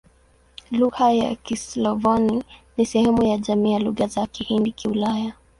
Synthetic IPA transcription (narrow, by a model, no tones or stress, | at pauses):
luɣaja̰kislɔvɔninisɛhɛmujaʄamiːjaluɣazakihindikiulaja